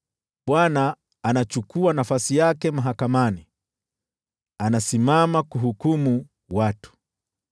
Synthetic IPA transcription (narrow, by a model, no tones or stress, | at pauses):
ɓwanaː | nat͡ʃukuanafasijakɛmaɦakamani | anasimamakuɦukumu | watu̥